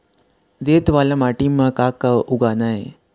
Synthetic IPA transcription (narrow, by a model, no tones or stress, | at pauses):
d̪et̪ʋalamaʈimakakauɡanaje